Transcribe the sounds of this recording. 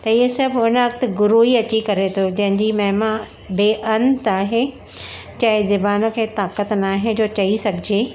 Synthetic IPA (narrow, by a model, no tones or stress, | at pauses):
t̪ɐiɦesɐbʊnəʋɐk̚t̪ʊ̆ɡʊɾuɦiɐt͡ɕikɐɾet̪ʰod͡ʑɐ̃ɦɪ̃ɲd͡ʑimɐɦɪmã | beːʔɐnt̪aːɦe | t͡ɕɐɦɪ̃zɪbaːnə̆kʰeːt̪aːkət̪naːɦẽd͡ʑoːt͡ɕɐisɐɡʱɪd͡ʑeː